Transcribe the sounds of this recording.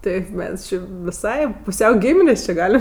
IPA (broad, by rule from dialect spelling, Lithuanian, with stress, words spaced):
ˈtʲɛɪp ˈmʲɛs ˈt͡ʃʲɪ ʋʲɪˈsɐɪ pʊˈsʲɛʊ ˈɡʲiːmʲɪnʲeːs t͡ʃʲɪ ˈɡɑːlʲɪm